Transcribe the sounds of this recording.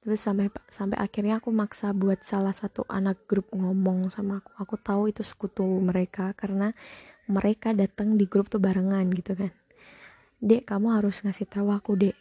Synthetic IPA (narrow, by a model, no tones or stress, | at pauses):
t̪əɾʊsampesampa̰ʔakirɲaːkumaksabuat̪̚salahsat̪uʔa̰nak̚ɡ̥ɾʊp̚ŋɔmɔŋsamaːku̥akut̪auit̪usə̥kut̪uməɾekakaɾənaməɾʔekadat̪əŋdiɡɾʊp̚t̪uhbaɾəŋanɡit̪ukan | dɛʔkamuɦaɾʊsŋasɪht̪awakudɛʔ